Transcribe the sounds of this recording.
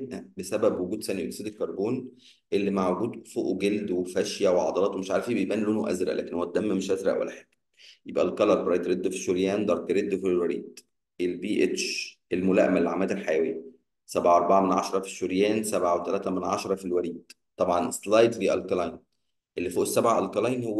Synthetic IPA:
ebʔæbesæbæbwoɡuːd̪sæniʔolsiːd̪elkɑɾˤboːn | ʔelːimaʕɡuːd̪foːʔɡeld̪wefæʃjæweʕɑ̰d̪ˤɑlɑːt̪wmeʃʕaɾfibejbʔæːnlːoːnuʔæ̰zɾæʔlæ̰kenhowæt̪̚d̪æmːæmeʃʔæzɾæ̰ʔwæ̰lːæ̰ħe̥kːæ | jebʔælkɑlɑɾˤbɾɑjd̪ɾed̪ːfi̥ʃoɾjæːnd̪ɑɾˤkɾed̪ːfilwæɾḭːd̪̥ | ʔelbiːʔet̪ʃʔelmolæ̰ʔmælːʕa̰mæːd̪elħajæweːæ | sæbʕaʔɑɾˤbaʕamenʕɑʃɑɾˤɑfi̥ʃːoɾjæːnsæbʕawet̪ælæːt̪æmenʕɑ̰ʃɑɾˤɑfilwæɾiːd̪̥̚ | t̪ːˤɑbʕɑnslɑjd̪fiːʔælkɑlɑjn | ʔelːifoːʔesːæbʕaʔælkɑlɑjnhowː

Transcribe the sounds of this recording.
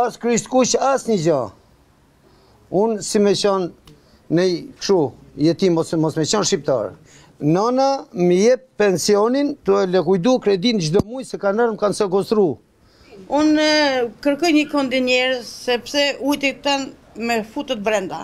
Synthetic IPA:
askɾist̪kut͡ʃasɲəd͡ʑa | unsimɛt͡ɕɔnː | ɛjkʃujɛt̪imɔsmɔsmɛt͡ɕɔnʃip̚t̪a̰ɾ | nanaməjɛp̚ːɛnsiɔnint̪uɛlɛkujd̪ukɾɛd̪ind͡ʒd̪ɔmujsɛkanaɾmkansɛɡɔst̪ɾu | unkəɾkɔjɲəkɔnd̪inɛɾsɛpsɛujt̪ɛt̪an | mɛfut̪ət̪̚bɾɛnd̪a̰

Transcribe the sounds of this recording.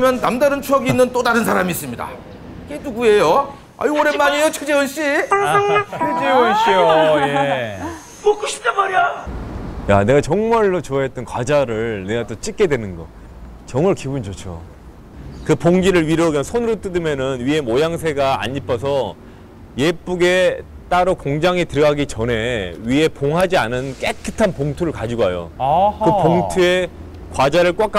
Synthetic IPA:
mjʌnːamdaɾɯnt͡ɕʰuʌɡinːɯnt͈odaɾɯnsʰaɾamiːs͈ɯmɲida̰ | ke̞duɡue̞jo | a̰ioɾe̞mːaɲijot͡ɕʰed͡ʑewʌnɕ͈i | ed͡ʑewʌnɕ͈ioje | okuɕʰi̥p̚t͡ɕ͈amaɾia | jane̞ɡat͡ɕʌŋmaɭːot͡ɕoaet̚t͈ɯnkwad͡ʑaɾɯɭne̞ɡat͈ot͡ɕ͈ik͈e̞dwenɯnɡʌ̰ | t͡ɕʌŋmaɭkibund͡ʑot͡ɕʰo̰ | kɯpoŋɡiɾɯɭɥiɾʌɡjʌnsʰonɯɾot͈ɯdɯmjʌnɯnɥie̞mojaŋsʰe̞ɡaa̰ɲːipʰʌs̬ʰʌ | je̞p͈uɡe̞t͈aɾokoŋd͡ʑaŋitɯɾɡaɡit͡ɕʌne̞ɥie̞poŋɦad͡ʑianɯnk͈ek͈ʰːɯtʰanpoŋtʰuɾɯɭkad͡ʑiɡoɦajo̰kɯpoŋtʰue̞ | kwad͡ʑaɾɯɭk͈wak͈a

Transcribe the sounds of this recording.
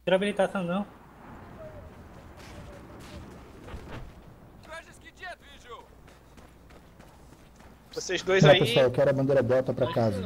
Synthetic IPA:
d̪ɾabilit̪asɐ̃w̃nɐ̃w̃ | ʒo | vosezd̪ojapesuawewkɛɾʊɐbɐ̃nd̪eɾɐbɛt̪ɐpɾɐkazɐ

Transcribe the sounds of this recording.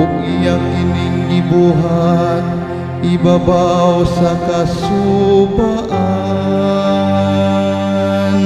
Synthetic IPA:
kijaŋkiniŋɡibuɦan | ibabawsakasubaʔa | n

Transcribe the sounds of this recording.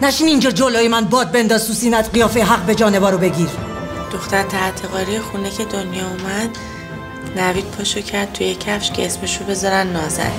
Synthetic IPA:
næʃiːniːnd͡ʒɒːd͡ʒoloːjemænbɒːd̪̚be̞nd̪ɒːzusiːmæd̪ɢijɒːfeɦæʁbe̞d͡ʒɒːne̞vɒːɾobe̞ɟiːɾ | d̪̥o̞xt̪æɾt̪ʰæt̪ʰeɣɒːɾijexunecʰe̞d̪onjɒːumæd̪ | næviːd̪̚pʰɒʃocʰæɾd̪̚t̪ʰujecʰæfʃcʰeesmeʃobe̞zɒɾænːɒːzæ̰n

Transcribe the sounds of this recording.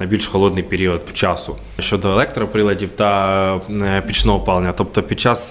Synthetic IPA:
nɐbʲilʲʃxɔlˠɔd̪nɪjpeɾʲiɔt̪t͡ʃasʊ | ʃt͡ʃːɔd̪ɔɛlˠɛk̚t̪ɾɐpɾɪlˠɐdʲiwd̪ɐ | pʲit͡ʃnɔɦɔpɑlˠnʲɐt̪ɔpt̪ɔpʲid̪̚t͡ʃas

